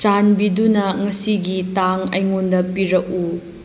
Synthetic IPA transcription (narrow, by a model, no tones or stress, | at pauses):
t͡ʃanbidunɐŋɐsiɡitaŋɐ̰jŋondɐpiɾɐk̚u